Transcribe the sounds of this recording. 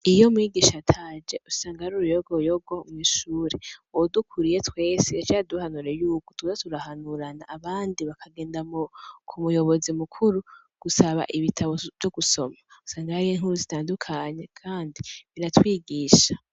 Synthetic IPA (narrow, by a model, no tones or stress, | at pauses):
ijo̞mŋiɡiːʃatʰaːd͡ʒe̞ʔusaːŋɡahaɾuɾujoɡojoɡo̞mwiːʃuːɾewodukʰuɾije̞twe̞ːsiat͡ʃaːduhanuɾejuːkotuatuɾahanuɾanaʔːβaːndiβakʰaɡe̞ːndamokʰumujo̞βo̞zimukʰuɾu | ɡ̥usaβa̰ʔiβitʰaβo̞v̥jo̞ɡuso̞̰mau̥saːŋɡaiːŋɦhuɾuzitaːndukʰaɲe̞kʰaːndiβiɾatwiːɡiːʃa